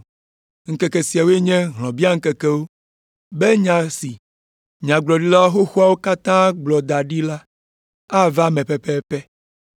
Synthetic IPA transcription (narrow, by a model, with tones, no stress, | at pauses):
ŋ̩˦kɛ˨kɛ˨si˨a˨wo˦e˦ɲɛ̃˦ɦlɔ̃˨bi˦a˦ŋ̩˦kɛ˨kɛ˦wo˦ | be˦ɲã˨si˨ | ɲã˨ɡ͡blɔ˨ɖi˦la˦wxo˦xu˦a˦wo˦ka˦t̪ã˦ɡ͡blɔ˨d̪a˨ɖi˦la˦ | a˦va˦mɛ̃˨pɛ˦pɛ˦pɛ˦